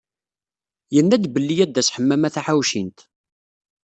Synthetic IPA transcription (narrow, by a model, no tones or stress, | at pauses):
jənːæd̪bəlːijæd̪ːæsħəmːæmæθaħawʃint̪